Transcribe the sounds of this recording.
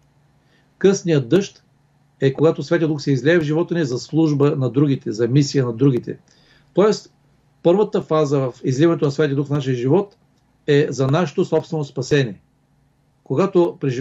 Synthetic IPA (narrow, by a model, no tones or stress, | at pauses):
kɤsnijədd̪ːɤʃt̪ | ɛkoɡat̪osvʲɛt̪jəd̪uksɛizlʲɛːvʒivɔt̪ənizɐslˠuʒbənɐd̪ɾuɡ̟it̪ɛzɐmisijənɐd̪ɾuɡ̟it̪ɛ̰ | t̪ɔɛst̪ | pɤɾvət̪əfazəvɐfizlivɐnɛt̪onɐsvʲɛt̪ʲjəd̪ukfnaʃiəʒivɔt̪ | ɛzɐnaʃɛ̥t̪osɔpst̪vɛnospɐsɛniɛ | koɡat̪opɾɛʒi